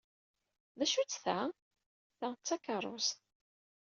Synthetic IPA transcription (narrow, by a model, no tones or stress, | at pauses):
ðæʃut͡sːθæ | θæt͡sːækərˤːo̰s